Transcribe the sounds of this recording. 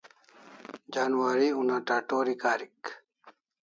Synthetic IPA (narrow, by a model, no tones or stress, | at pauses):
d͡ʑaːnwaːɾiunaʈaːʈoːɾikaːɾik